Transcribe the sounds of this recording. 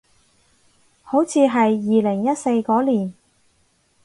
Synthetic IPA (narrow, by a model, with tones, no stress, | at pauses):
ho˨˥wt͡sʰiː˨˧ɦɐ˨jːiː˨lɪ˨˩ŋjɐ˥t̚se˧jkɔː˨˥liː˨˩n